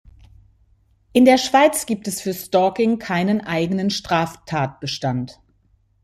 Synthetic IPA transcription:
ʔɪndeːɐʃv̥aɪt͡sɡ̥iːp̚tɛsfyːɐstɔːkɪŋkʰaɪnənʔaɪɡənənʃtʁ̥aːftʰaːt̚b̥əʃtant

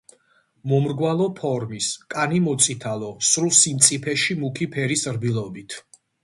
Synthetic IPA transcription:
mɔmɾɡwalˠɔpʰɔɾmiskʼanimɔt̪sʼit̪ʰalɔsɾusimt̪sʼipʰɛʃimukʰipʰɛɾisɾbilˠɔbit̪ʰ

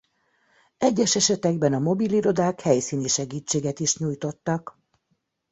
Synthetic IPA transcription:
ɛɟːɛʃɛʃɛt̪ɛɡbɛnɒmo̞biliɾo̞d̪aːkhɛjsiːniʃɛɡiːt͡ʃːeːɡɛt̪iʃɲuːjt̪o̞t̪ːɒk

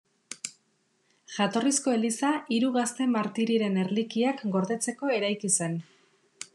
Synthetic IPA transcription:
ʝat̪o̞risko̞e̞lisaiɾuɣast̪e̞maɾt̪iɾiɾe̞ne̞ɾlikiakɡo̞ɾðe̞t͡se̞ko̞e̞ɾajkise̞n

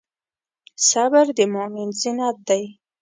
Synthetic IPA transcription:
sabaɾd̪əmomɪnzɪnat̪̚d̪aj

